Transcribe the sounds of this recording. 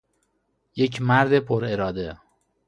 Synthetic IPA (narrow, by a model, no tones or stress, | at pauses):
jecʰmæɾd̪epʰoɾeɾɒːd̪e